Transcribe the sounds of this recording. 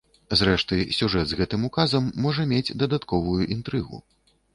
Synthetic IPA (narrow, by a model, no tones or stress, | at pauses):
zɾɛʂt̪ɨsʲuʐɛd̪zɣɛt̪ɨmukazɐmːɔʐɐmʲed͡zʲd̪ɐd̪at̪kɔvujuʔint̪ɾɨɣṵ